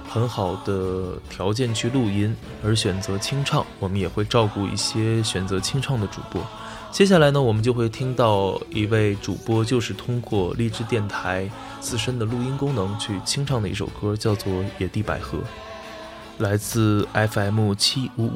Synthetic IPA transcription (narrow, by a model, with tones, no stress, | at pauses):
xə˧˥nxɑ˨˩ʊd̪̥ə˦t̪ʰjɑ˧˥ʊt͡ɕjɛ˥˧nt͡ɕʰy˥˧lu˥˩i˥n | ə˞˧˥ɕɥɛ˨˩nt͡sɤ˧˥t͡ɕʰi˥ŋʈ͡ʂʰɑ˥˩ŋwɔ˨˩mə˦njɛ˨˩xwe˥˧ɪʈ͡ʂɑ˥˧ʊku˥˧ḭ˥˩ɕjɛ˥ɕɥɛ˨˩nt͡sɤ˧˥t͡ɕʰi˥ŋʈ͡ʂʰɑ˥˩ŋd̪ə˩ʈ͡ʂṵ˨˩pwɔ̰˥ | t͡ɕjɛ˥ɕ̬ja˥˩la˧˥ɪnə˧wɔ˨˩mə˦nt͡ɕjo˥˧xwe˥˩ɪt̪ʰi˥ŋt̪ɑ˥˩ʊi˧˥we˥˩ɪʈ͡ʂṵ˨˩pwɔ˥t͡ɕjo˥˧ʊʂɻ̩˥˩t̪ʰʊ˥ŋkwɔ˥˧li˥˧ʈ͡ʂɻ̩˥˧t̪jɛ˥˩nt̪ʰa˧˥ɪ | t͡sɹ̩˥˧ʂə˥nd̪ə˨lu˥˩i˥nkʊ˥ŋnɤ˧˥ŋt͡ɕʰy˥˩t͡ɕʰi˥ŋʈ͡ʂʰɑ˥˩ŋd̪ə˩i˥˩o̰˨˩ʊkɤ˥t͡ɕjɑ˥˧ʊt͡swɔ˥˩jɛ˨˩t̪i˥˩pa̰˧˩ɪxɤ̰˧˥ | la˧˥ɪt͡sɹ̩˥˩a˥ɪfa˧˥ɪmu˥˩t͡ɕʰi˥u˧˥˩